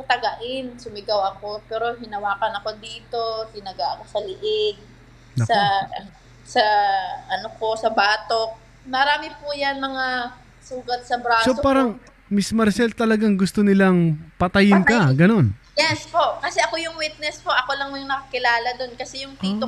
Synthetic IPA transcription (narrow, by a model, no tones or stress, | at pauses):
ɐt̪ɐɡɐʔɪnsʊmɪɡawɐko̞pɛːɾo̞ɦɪnɐwaːkɐnɐko̞d̪iːt̪o̞sɪnɐɡaʔɐko̞sɐlɪʔɪɡ̚ | ɐsɐ | sɐʔɐnoko̞sɐbaːt̪ok̚ | mɐɾaːmɪpujanmɐŋa | suːɡɐt̪̚sɐbɾaːsopaːɾɐŋ | mɪsmɐɾsɛlt̪ɐlɐɡaŋɡʊst̪onɪlaŋpɐt̪ɐjɪnkɐɡɐno̞njɛspo̞ʔkɐsɛʔɐko̞jʊŋwit̪̚nɛspo̞ʔɐko̞lɐŋjʊŋnɐkɐkɪlaːlɐd̪o̞nkɐsɛjʊŋtiːt̪o